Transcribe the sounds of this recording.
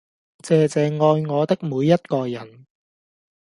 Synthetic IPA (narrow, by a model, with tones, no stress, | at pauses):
t͡sɛː˨˧t͡sɛː˨˧ŋɔː˧jŋɔː˨˧t̪ɪ˥k̚muː˨˧jːɐ˥t̚kɔː˧jɐ˨˩n